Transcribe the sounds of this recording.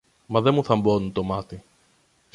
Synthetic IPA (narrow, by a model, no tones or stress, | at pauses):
mɐðe̞muθɐmbo̞nunt̪o̞mɐt̪i